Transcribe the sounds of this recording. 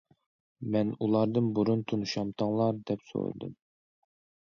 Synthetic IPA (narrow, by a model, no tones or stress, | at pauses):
mɛnulˠɑɾd̪ɨnbuɾunt̪ʰunuʃɑmt̪ʰɑŋlˠɑɾd̪ɛpso̰ɾɨ̰d̪ɨ̰m